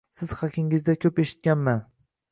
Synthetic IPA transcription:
sɪz̥χakʲʰɪŋɪzd̪akʲʰɵpeʃɪ̥t̪̚kʲanman

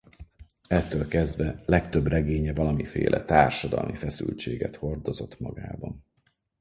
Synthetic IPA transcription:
ɛt̪ːøːlkɛzd̪vɛlɛkt̪øbrɛɡeːɲɛvɒlɒmifḛːlʔɛt̪aːrʃɒd̪ɒ̰lmifɛsy̰lt͡ʃeːɡɛ̰t̪ho̞rd̪o̞zo̞t̪mɒ̰ɡaːbɒn

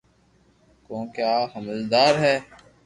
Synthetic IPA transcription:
kõːkjaːɦəməzd̪aːɾɦɛː

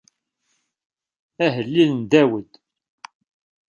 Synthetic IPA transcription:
æɦəlːilənd̪æwəd̪

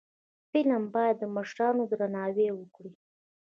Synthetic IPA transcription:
pilambɑjad̪ːəmaʃɾɑnod̪ɾanɑwewəkɽi

